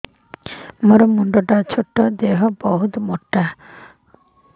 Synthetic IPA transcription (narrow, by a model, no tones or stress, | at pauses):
moɾɔmuɳɖɔʈat͡ʃʰoʈːɔd̪eɦɔbɔɦut̪moʈːa